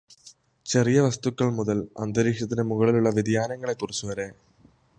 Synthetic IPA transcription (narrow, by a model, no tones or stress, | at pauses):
t͡ɕɛrɪjɐʋɐst̪ukːɐɭmʊðɐlɐ̰nd̪ɐɾiːʂɐt̪ːɪnemʊɣɐɭɪlʊɭːɐʋɪðɪjaːnɐŋɡɐɭɐɪt̪ːurɐsuʋɐɾeː